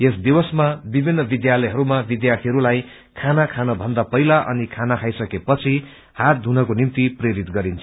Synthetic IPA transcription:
esd̪ibʌsmabibʱinːʌbid̪jalʌjɦʌɾumabid̪jart̪ʰiɦʌɾulaj | kʰanakʰanʌbʱʌnd̪apʌjlaʔʌ̰nikʰanakʰajsʌkepʌt͡sʰi | hat̪̚d̪ʱunʌkonimt̪ipreɾit̪ɡʌɾint͡sʰ

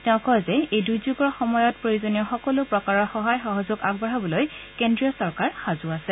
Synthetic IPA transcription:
tɛʊ̃kɔjzɛejdujzuɡɔɹxɔmɔjɔt̚pɹojuzɔniɔxɔkɔlʊpɹɔkaɹɔɹxɔɦajxɔɦɔzʊɡaɡ̚bɹaɦabɔlojkendɹiɔsɔɹkaɹxazʊasɛ

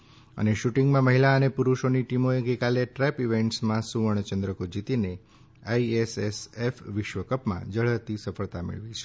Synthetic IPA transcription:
ə̰neʃuʈɪŋɡmãməɦilaənepuɾuʃoniʈimoeɡəjkaleʈɾɛpiʋeɳʈsmãsuʋəɳ̃t͡ʃənd̪ɾəkod͡ʒit̪ine | aiesesefʋɪʃʋəkəpmã̰d͡ʒəɭ̤əɦt̪isəfəɭt̪amḛɭʋit͡ʃʰe̥

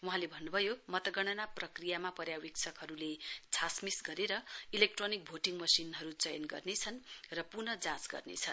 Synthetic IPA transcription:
wuɦãlebʱʌnːubʱʌjomʌt̪ʌɡʌɽ̃ʌnaprʌkrijamapʌɾjawikt͡sʰʌkɦʌɾulet͡sʰasmisɡʌɾeɾʌilek̚ʈronik̚bʱoʈiŋmʌsinɦʌɾut͡sʌjʌnɡʌ̰rnet͡sʰʌnrʌpurnʌd͡zãt͡sɡʌ̰rnḛt͡sʰʌn

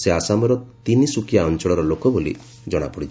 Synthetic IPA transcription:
seasamɔɾɔt̪inisukjaɔnt͡ʃɔɭɔɾɔlokɔbolḭ | d͡ʒɔɽ̃a̰pɔɽi

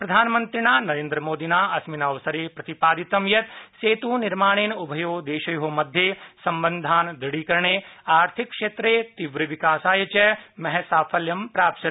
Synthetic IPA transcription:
pɾɐd̪ʱaːnmɐnt̪ɾinaːnɐɾeːnd̪ɾɐmoːd̪inaːɐsminaːʋɐsɐɾeːpɾɐt̪ipaːd̪it̪ɐmjɐt̪seːt̪uːniɾmaːɳ̃eːnubʱɐjoːd̪eːʃɐjuɦomɐd̪ʱjeːsɐmbɐnd̪ʱaːnd̪ɐɽiːkɐɾɳeːaːɾt̪ʰikːʂeːt̪ɾeːt̪iʋɾɐʋikaːsaːjɐt͡ʃɐmɐɦɛsaːfʰɐljɐmpɾaːpt͡ʃɐt̪

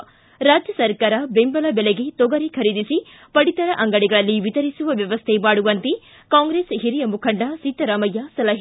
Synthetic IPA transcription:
ɾaːd͡ʒjɐsɐɾkaːɾɐbembɐlɐbeleɡet̪oɡɐɾikʰɐɾid̪isi | pɐɽit̪ɐɾɐʔɐŋɡɐɽiɡɐɭɐlːiʋit̪ɐɾisuʋɐʋjɐʋɐst̪ʰebaːɽuʋɐnt̪e | kaːŋɡɾesɦiɾijɐmukʰɐɳɖɐsit̪ːɐɾaːmɐjːasɐlɐɦ

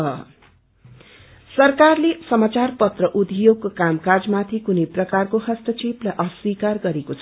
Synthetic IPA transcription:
ʌ | sʌrkarlesʌmat͡sarpʌt̪rʌʔud̪joɡkamkard͡zmat̪ʰikunejprʌkarkohʌsʈ̪ʌt͡seplaʔʌswikarɡʌɾekot͡sʰʌ

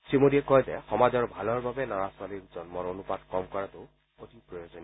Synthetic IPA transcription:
simoɾiekɔjzɛxɔmazɔɹbʱalɔɹbʱabɛnɔɹaswaliɹd͡ʒɔnmɔɹonupadkɔmkɔɹat̪o | ot̪ipɹojozon

